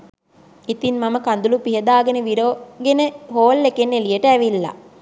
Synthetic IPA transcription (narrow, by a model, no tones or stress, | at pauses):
it̪inmaməkand̪ulupiɦəd̪aːɡenəʋiɾoːɡenəɦoːlːekenːelijəʈəæʋilːa̰